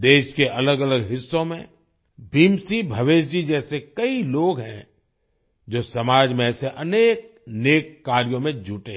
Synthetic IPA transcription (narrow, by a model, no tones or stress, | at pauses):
d̪eːʃkeʔɐləɡɐləɡɦɪsːõmḛ̃ | bʱiːmsibʱɐʋeːʃd͡ʒid͡ʒɛːsekɐiloːɡɦɛ̰̃ | d͡ʒoːsɐmaːd͡ʒmẽːseʔɐneːk̚ | neːkːaːɾijõmẽd͡ʒʱuʈẽ